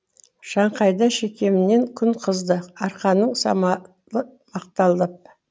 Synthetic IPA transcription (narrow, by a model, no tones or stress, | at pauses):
ʃɑɴqɑjd̪ɑʃe̞kʲe̞mɪne̞ŋkʲʰʏnqʰəzd̪əɑɾqɑnəɴsɑ̰mɑ | lˠəmɑq̚t̪ɑlˠd̪əp̚